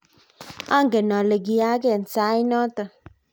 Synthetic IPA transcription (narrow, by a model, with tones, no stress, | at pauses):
a˦ŋ̩˨ɡe˨nɔ˨le˨ɡi˨a˦k̬e˦˨n̩˨saː˨˦i˦nɔ˦tə˨